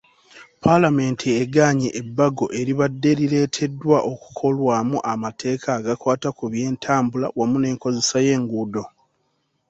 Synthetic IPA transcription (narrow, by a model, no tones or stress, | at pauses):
pʰalame̞ntʰieɡaːɲeʔːbːaɡo̞ʔe̞ɾiβadːe̞ɾile̞ːtʰe̞dːwaʔoku̥kʰo̞lwaːmuʔamatʰe̞ːkʰaːɡakwaːtakuβje̞ːntʰaːmbulawamune̞ːŋko̞zesaje̞ːŋɡuːdo̞